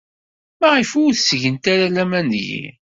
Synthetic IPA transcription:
mæʁifʊθsʝənt̪aɾalæmænjḭ

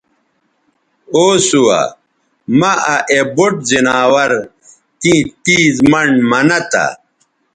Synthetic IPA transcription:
oːsuwa̰ | mɐʔaʔeboʈ̚zinaːwɐɾ | t̪ĩːt̪iːzmɐɳmɐnɐt̪a̰

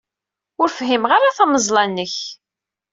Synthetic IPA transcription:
ʊɾfəɦimʁaɾaθæməzˤlˤɑnːəç

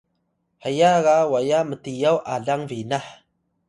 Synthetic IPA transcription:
hajaɣawajamətijawʔaɮaŋvinah

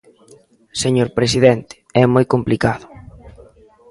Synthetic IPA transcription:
seɲoɾpɾesiðɛnt̪ɪ̥ɛmojkomplikaðʊ

